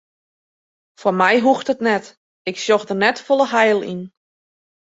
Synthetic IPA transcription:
fɔnmɛjɦuxtətnɛt | ɪksjoxdərnɛtfolˠəɦajlˠḭn

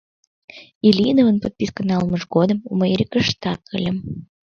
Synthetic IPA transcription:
ilʲinovənpot̪̚pʲiskənɑlˠməʒɡod̪əmuməjeɾʲikəʃt̪ɑkʰːəlʲəm

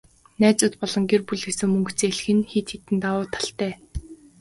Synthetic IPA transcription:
næːt͡sʊːt̪pɔɮɞ̆ŋɡerpuɮɡesɘ̆ŋmɵŋkt͡seːɮxɘ̆nxet̪ʰxet̪ɘ̆nt̪awʊːt̪ʰḁɬt̪æː

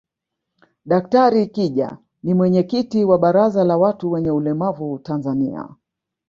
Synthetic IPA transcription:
ɗak̚taɾikiʄa̰ | nimwɛɲɛkitiwaɓaɾazalawatuwɛɲɛulɛmavutanzanḭa̰

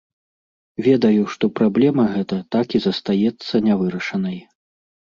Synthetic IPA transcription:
vʲɛd̪ɐjuʂt̪ɔpɾablʲɛmɐɣɛt̪ɐt̪akizɐst̪ajɛt̪sːɐnʲavɨɾɐʂɐnɐj

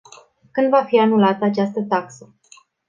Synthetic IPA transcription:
kɨnd̪vafianulat̪əat͡ʃast̪ət̪aksə

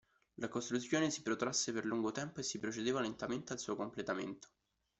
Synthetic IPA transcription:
lakost̪ɾut̪sːjoːnesi̥pɾot̪ɾasːeperluŋɡot̪ɛmpoesːipɾot͡ʃed̪eːvalent̪ament̪ealsuːokomplet̪amḛnt̪o̥

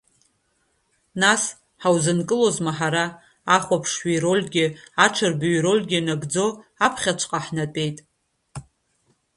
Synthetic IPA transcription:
nas | ħawzɨnkʼɨlo̞zmaħaɾaː | χʷapʰʂʃijɾo̞lʲɡʲɪaʈ͡ʂʰɨrbɥɾo̞lʲɡʲɪnaɡd͡zoapʰχʲat͡ʃʷʰʼqʼaħnatʼe̞jtʼ

